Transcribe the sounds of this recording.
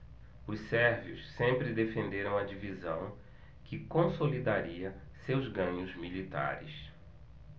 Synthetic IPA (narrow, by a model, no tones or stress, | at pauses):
ʊssɛɾviʊssẽmpɾɪd̪efẽnd̪eɾɐ̃w̃ɐd͡ʒivizɐ̃w̃ | kɪkõsolid̪aɾiɐ | sewzɡɐ̃ɲʊzmilit̪a̰ɾɪ̰s